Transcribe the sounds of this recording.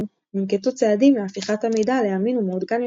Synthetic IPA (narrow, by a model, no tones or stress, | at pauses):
mimket̪ut͡seadimafiχatamejdaleaminumːd̪ɡan